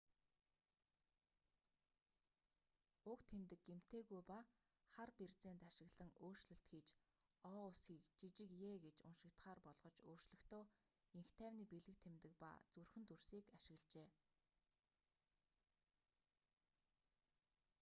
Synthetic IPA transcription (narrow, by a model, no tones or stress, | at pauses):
ʊkt̪ʰːemt̪ɘ̆kɡem̥t̪ʰeːɣujpa | χarpert͡seːnt̪aʃɪ̆ɣɮə̆ŋʔoːr̥t͡ɕɮɵ̆ɬt̪xiːt͡ɕ | ɔːʊsxiːkt͡ɕit͡ɕɪ̆kjeːɡet͡ɕʊ̰nʃɪ̆kt̪χaːrpɔɮʁɞ̆t͡ɕoːr̥t͡ɕɮɵ̆xt̪ʰoː | iŋxt̪ʰæːwniːpeɮɘ̆k̚t̪ʰemt̪ɘ̆k̚pa̰t͡surxɘ̆nt̪ursiːkaʃɪ̆ɣɮt͡ɕeː